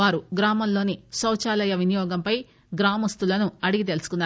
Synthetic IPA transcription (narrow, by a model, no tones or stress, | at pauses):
aːɾuɡɾaːmɐllo̞ːnisɐwt͡ʃaːlɐjɐʋinijɔːɡɐmpɐj | ɡɾaːmɐst̪ulɐnuɐɽiɡit̪̬e̞lusu̥kunːaː